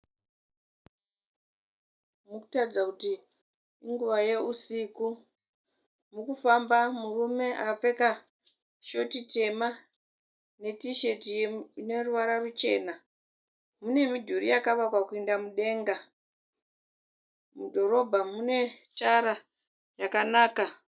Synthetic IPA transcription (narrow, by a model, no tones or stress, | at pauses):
muku̥tarid͡zakuti | iŋɡuʋaje̞usiku | mukufambamurume̞ʔa̰kafe̞ka | ʃo̞tite̞ma | ne̞tiʃe̞tijeine̞ruʋaɾarut͡ʃe̞̰ːna | mune̞midʱuɾḭjakaʋakwakuindamuɗe̞ːŋɡa | mudʱo̞ɾo̞bʱamune̞t͡ʃaɾa | jakanaːka